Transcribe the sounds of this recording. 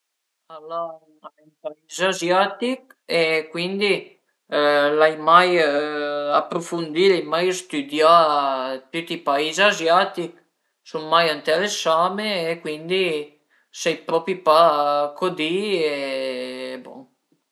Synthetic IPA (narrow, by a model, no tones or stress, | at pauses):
ala | aɛnpaizazjat̪ikekwind̪i | lajmaj | apɾofund̪ilajmajst̪yd̪ja | t̪yt̪ipaizazjat̪ik | suŋmajant̪eɾesameːkwind̪i | sɛjpɾɔpipakʰod̪ie | bo̰ŋ